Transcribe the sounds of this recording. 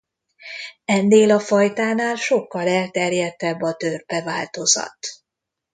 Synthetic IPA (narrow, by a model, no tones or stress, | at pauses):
ɛnːeːlɒfɒjt̪aːnaːlʃo̞kːɒlɛlt̪ɛrjɛt̪ːɛbːɒt̪ørpɛvaːlt̪o̞zɒ̰t̪